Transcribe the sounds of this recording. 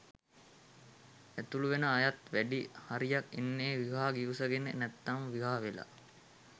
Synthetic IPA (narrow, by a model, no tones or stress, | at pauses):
æt̪uluʋenəajat̪ʋæɖihaɾijakːḭnːeːʋiɦaːɡiʋusəɡenḛnæt̪ːamʋiɦaːʋela̰